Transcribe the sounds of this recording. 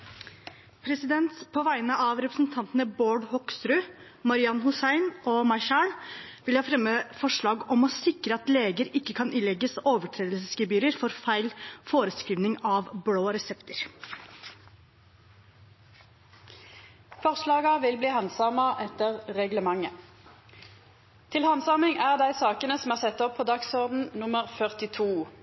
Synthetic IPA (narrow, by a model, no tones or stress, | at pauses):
pʰɾɛsɪd̪ɛnt̪pʰɔʋæɪnəʔɑʋɾɛpɾəsnt̪ʰɑnt̪ənəboːɖhɔkst̪ɾʉː | mɑɾɪɑnhʊsæɪnɔːmɑʃæːɳʋɪlhɑːfɾɛmːəfɔʂɭɑːɡɔmɔsɪkɾəɑt̪leːɡəɾɪkːəkʰɑnʔɪlɛɡːəsoːʋəʈʰɾeːd̪lsəsɡɪbyːɾəɾfɔɾfæɪlfoːɾəskɾiːʋnɪŋɑʋbɽoːɾɛsɛpt̪əɾ | fɔʁʂlɑːɡɑʋɪlbliːhɑnsɑmɑʔɛt̪əʁʁɛɡləmɑŋːə | t̪ʰɪlhɑnsɑmɪŋæʁd̪æɪsɑːkənəsɔmæːʁsɛt̪ːɔpʰːɔd̪ɑksɔʁd̪n̩nʊməʁfœʁt̪ɪt̪ʰuː